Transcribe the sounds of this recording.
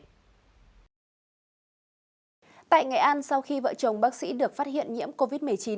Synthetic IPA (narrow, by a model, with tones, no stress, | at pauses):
t̪a̰ː˧˨jŋa˨˩jʔa˧nsa˧wxi˧və̰ː˧˨t͡ɕə˨˩wŋ͡mɓaː˦˥k̚sḭ˧˥ɗɨ˨˩ək̚faː˦˥t̚ɦḭ˧˨ənɲḭ˧˥əmko˧vi˦˥t̚m˨˩əjt͡ɕi˨˦